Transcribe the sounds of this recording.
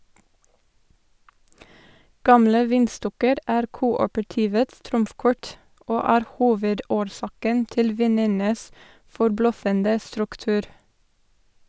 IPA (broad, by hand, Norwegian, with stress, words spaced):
ˈɡɑmlə ˈʋiːnˌstɔkəɾ ˈæːɾ ˈkuːɔpəɹˌtiːʋəts ˈtɾʊmfˌkɔɹt ˈoː ˈæːɾ ˈhuːʋəˌdoːɾˌsɑːkən ˈtɪl ˈʋiːnənəs fɔɾˈblœfəndə stɾʉkˈtʉːɾ